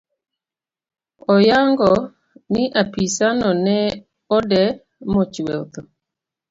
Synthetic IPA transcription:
ɔjaŋɡɔ | nɪʔapisanɔnɛ | ɔdɛ | mɔt͡ʃwɛt̪ɔ

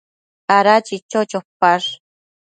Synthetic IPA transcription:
aɾat͡ʃit͡ʃot͡ʃopaʂ

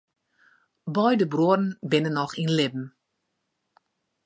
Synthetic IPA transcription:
bɔjdəbruədn̩bɪnənːɔxinlɪb̚m̩

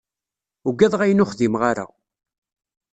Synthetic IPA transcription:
ʊɡːæðˤʁæjnʊχðimʁaɾa̰

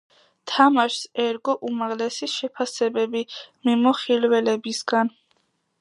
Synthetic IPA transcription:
t̪ʰamaʃsɛɾɡɔʔumaʁlɛsiʃɛpʰasɛbɛbimimɔχilwɛlɛbisɡ̥an

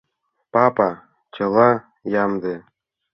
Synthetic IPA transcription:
pɑpɑ | t͡ɕɤ̆lˠɑ | jɑmd̪ɤ

